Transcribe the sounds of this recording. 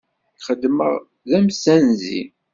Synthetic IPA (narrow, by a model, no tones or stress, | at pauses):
χəd̪ːməʁ | ðæmsænzḭ